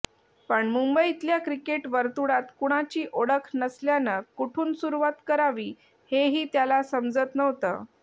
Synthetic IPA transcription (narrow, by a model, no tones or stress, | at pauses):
pəɳmumbəit̪ljakɾikeʈʋəɾt̪uɽat̪kuɽ̃at͡ɕiːʔoɽəkʰnəsljanəkuʈʰuːnsuɾuʋat̪kəɾaʋiː | heɦiːt̪jalasəmd͡zət̪nəʋt̪ə̰ː